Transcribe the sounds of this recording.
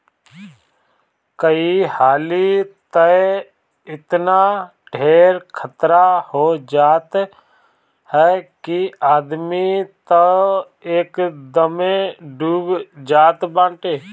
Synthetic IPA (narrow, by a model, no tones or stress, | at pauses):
kəihaːlit̪ə | ɪt̪naː | ʈʰeːɾkʰət̪ɾahoːd͡ʒaːt̪ | hɛːkiaːd̪mit̪ə | eːkd̪əmẽɖuːbd͡ʒaːt̪bãːɳʈeː